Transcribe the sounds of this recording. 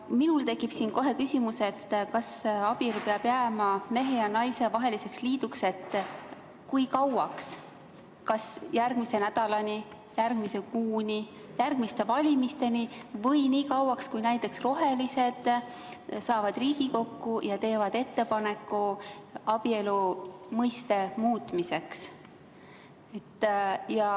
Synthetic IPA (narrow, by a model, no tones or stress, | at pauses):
minult̪e̞kːˑib̥siːnko̞ɦe̞kysʲimuse̞t̪ːkɑsɑb̥ilpeɑb̥jæmɑme̞ɦe̞jɑnɑjse̞vɑɦe̞lise̞ksliːd̪ukse̞t̪ː | kujkɑwɑks | kɑsjærɡ̥mise̞næd̪̥ɑlɑni | jærɡ̥mise̞kuːnʲi | jærɡ̥mist̪e̞vɑlʲimist̪e̞nivɤ̞jniːkɑwɑkskujnæjt̪ˑːe̞ksro̞ɦe̞lise̞d̪̥ | sɑːvɑd̪riːɡ̥iko̞kːujɑt̪e̞ːvɑd̪̥e̞t̪ːe̞pɑne̞kːˑuɑb̥ie̞lumɤjst̪e̞muːt̪ˑmise̞ks | et̪ːjɑ